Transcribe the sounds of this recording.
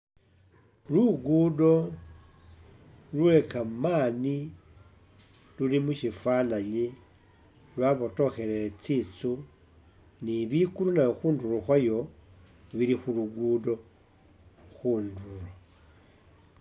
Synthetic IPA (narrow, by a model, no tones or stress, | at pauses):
luɡudo̞ | lwe̞kamaːni | lulimuʃifanaɲi | lwaβoto̞xe̞ɾeet͡sit͡su | niβikuɾunajoxuːnduloxwajo̞ | βilixuluɡudo̞ | xuːndulo